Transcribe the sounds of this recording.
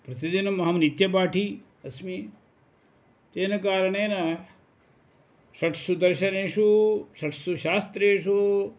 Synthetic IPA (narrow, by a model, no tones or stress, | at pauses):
pɾɐt̪id̪inmɐɦɐmnit̪jɐpaːʈʰi | ɐsmi | t̪eːnɐkaːɾɐɳ̃eːnɐ | sɐʈʰsud̪ɐɾʃɐneːʃusɐʈʰsuʃaːst̪ɾeːʃu